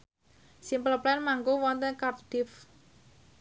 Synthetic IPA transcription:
simpələplɛnmaŋɡowɔnt̪ənkap̚d̪̥ɪf

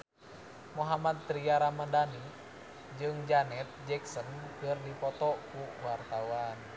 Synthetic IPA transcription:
moɦamat̪̚ːɾiaɾamadani | d͡ʒɨŋd͡ʒanɛt̪̚d͡ʒɛksənkərdipɔt̪ɔkuwart̪awan

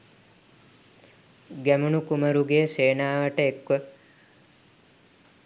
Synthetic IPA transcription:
ɡɛmuɳukumɐɾuɡeːseːnaːʋəʈəekʋə

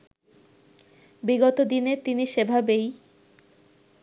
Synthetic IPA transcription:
biɡot̪od̪inet̪iniʃebʱabej

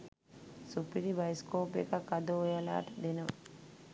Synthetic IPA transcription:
supiɾibajskoːpḛkakːad̪oojɐla̰ːʈəd̪enɐʋə

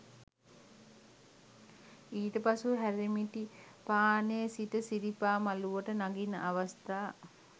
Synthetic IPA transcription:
iːʈəpasuɦæɾimiʈipaːnejəsitəsiɾipaːmaluʋəʈənaɡinə̰ʔaʋast̪aː

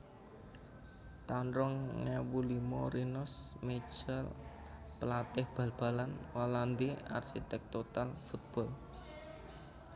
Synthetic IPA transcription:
t̪anɾʊŋːɛwulimɔ̰ɾinɔsmed͡ʒal | pəlat̪ɪhb̥a̤lb̥a̤lanwaland̪ia̰rsit̪ɛk̚t̪ot̪alfut̪̚b̥ɔ̤l

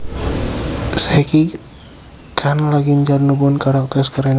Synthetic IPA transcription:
sɛki | kʰanlaɡiɲd͡ʒarnubɔnkaɾak̚t̪ɛskaɾɛn

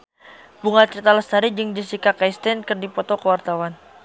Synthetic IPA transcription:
buŋat͡ʃit̪alast̪aɾid͡ʒəŋdəsikakajst̪ɛnkərdipɔt̪okəwart̪awan

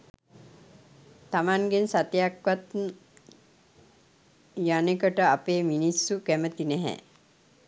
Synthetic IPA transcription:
t̪amaŋɡensat̪jakʋat̪ | janekəʈəapeːminisːuɡɛmət̪inɛɦɛ̰

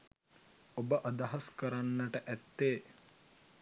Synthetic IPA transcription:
obəʔɐd̪ɐɦɐskɐɾanːɐʈəʔæt̪ːeː

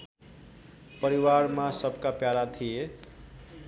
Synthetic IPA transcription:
pʌɾiwaɾmasʌbʱkapjalat̪ʰije

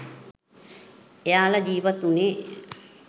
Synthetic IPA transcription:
ejaːləd͡ʒiːʋat̪une

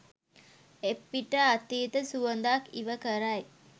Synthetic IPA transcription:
epːiʈəat̪iːt̪əsuənd̪akiʋəkəɾaj

